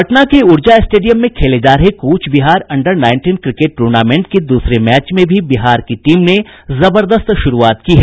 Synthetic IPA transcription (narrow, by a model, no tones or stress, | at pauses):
ɐʈnakeʊɾd͡ʒaɪsʈeːɖijəmːẽkʰeːled͡ʒaːɾɦekuːt͡ʃʰbiɦaːɾɐ̃ɳɖəɾnaːɪ̃nʈiːnkɾɪkeʈ̚ːʈuɾnaːmẽɳʈ̚ked̪uːsɾemɛːt͡ʃmẽbʱibiɦaːɾkiʈiːmne | zɐbəɾd̪əst̪ʃʊɾuaːt̪kiɦɛː